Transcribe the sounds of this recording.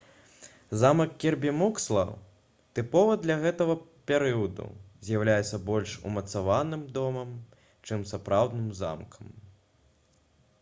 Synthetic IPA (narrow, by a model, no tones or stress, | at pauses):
zamɐkkːʲɛrbʲimukslˠɐ̰ | t̪ɨpɔvɨd̪lʲɐɣɛt̪ɐɣɐpʲɛɾɨɐd̪ṵzʲjɐwlʲajɛt̪sːɐbɔlʲʂṵmɐt̪savanɨmd̪ɔmɐm | t͡ʂɨmsapɾawd̪nɨmza̰mkʰɐm